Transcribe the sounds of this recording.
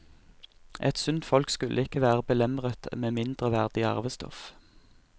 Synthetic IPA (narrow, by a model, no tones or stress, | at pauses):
ʔɛt̪sʉnt̪fɔlkskʉlʔəɪkəʋæːʁəbəlɛmʁət̪meːmɪnd̪ʁəʋæʁd̪ɪɑ̰ʁʋəst̪ɔ̰f